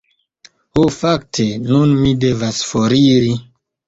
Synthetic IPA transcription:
ofak̚tʰenunmidevasfoɾiɾi

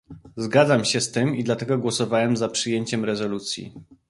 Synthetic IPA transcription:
zɡad̪zamɕɛst̪ɘmid̪lat̪ɛɡɔɡwɔsɔvawɛmzapʂɘjeɲt͡ɕɛmɾɛzɔlut̪sʲjḭ

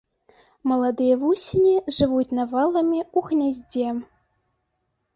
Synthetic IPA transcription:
mɤ̆lˠɑd̪ɨjevusʲinʲiʐɨvutʲnɑvɤlˠɤ̆mʲiuxnʲazʲdʲem

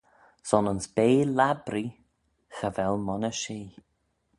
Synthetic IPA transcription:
sɔnʊnsb̥eːlabɾi | xəvɛlmɔnəʃeː

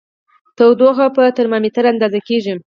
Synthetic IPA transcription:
t̪əwd̪oɣapət̪əɾmɑmet̪əɾand̪ɑzakeʒim

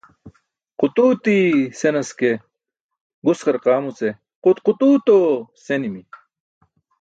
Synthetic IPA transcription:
qut̪uːt̪isenɐske | ɡuskɐɾqaːmut͡se | qut̪qut̪uːt̪osenimi

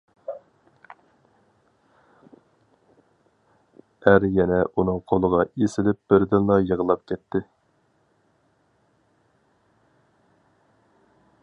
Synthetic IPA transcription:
æɾjɛnɛʔunɨŋqʰolˠəʁɑesɪlɪp̚b̥ɪɾd̪ɪnlɑjəʁəlˠɑp̚kʲɛt̪ʰːɪ

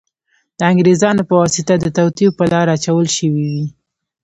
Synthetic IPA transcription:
d̪̥əaŋɡɾezɑnopəwɑsɪt̪ad̪ət̪awt̪ipəlɑɾaat͡ʃawəlʃəwiwi

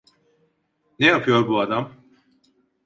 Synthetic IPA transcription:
nejapʰɯjo̞ɾbuad̪am

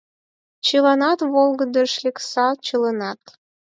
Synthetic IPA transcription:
t͡ɕəlɑnɑt̪βolˠɡə̆d̪ə̆ʃlʲeksɑt͡ɕələnɑt̪

